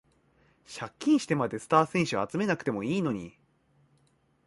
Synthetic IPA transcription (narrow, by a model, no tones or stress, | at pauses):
ɕakʲːĩɰ̃ɕi̥t̪e̞mad̪e̞sɨ̥t̪aːsẽ̞ɰ̃ɕɨat͡sɨme̞nakɯ̟̥t̪e̞mo̞iːno̞ɲ̟ḭ